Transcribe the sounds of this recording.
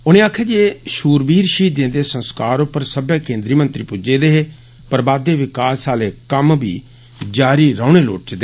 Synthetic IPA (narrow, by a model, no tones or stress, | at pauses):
ʊnẽːaːkʰeːd͡ʒeːʃuːɾbiːɾʃiːd̪ẽːnd̪eːsə̃nskaːɾopəɾsəbjaːkẽːnd̪ɾiːmənt̪ɾiːpʊd͡ʒeːd̪eːɦeː | pəɾbaːd̪eːʋɪkaːsaːleːkəmbʱḭː | d͡ʒaːɾiːɾəːʊɳeːlo̰ːʈt͡ʃd̪eː